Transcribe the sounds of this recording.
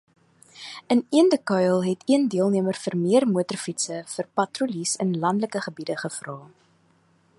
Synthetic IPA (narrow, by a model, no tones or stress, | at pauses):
əniəndəkœjlˠɦɛtiəndiəlˠniəmərfərmiərmuətərfitsəfərpɐtrulisənlɐndləkəχəbidəχəfrɑː